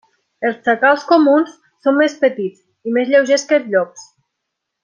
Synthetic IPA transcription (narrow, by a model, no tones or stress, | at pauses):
elˠst͡ʃakalˠskomunsːomːespət̪it͡s | imezʎewʒeskelzʎɔks